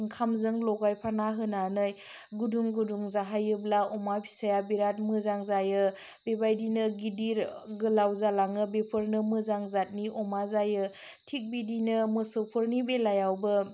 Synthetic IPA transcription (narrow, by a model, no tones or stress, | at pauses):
ŋkʰamzɯŋlɔɡajpʰanaɦɯnanɯj | ɡuduŋɡuduŋzaɦajɯblaɔmabʰi̥sajabiɾat̚mɯzaŋzajɯ | bebajdinɯɡidiɾɡɯlawzalaŋɯbepʰɯɾnɯmɯzaŋzat̚niʔɔmazajɯtʰik̚bidinɯmɯsɯpʰɯɾnibelajawbɯ